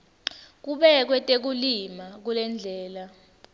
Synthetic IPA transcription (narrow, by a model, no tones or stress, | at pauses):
k̬uɓɛk̬wɛtʼek̬ulimak̬ulɛnd͡ɮʱɛːla